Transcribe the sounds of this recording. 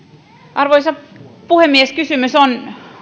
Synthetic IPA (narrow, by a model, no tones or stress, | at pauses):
ʔɑrʋoisɑpuhemːieskysymyson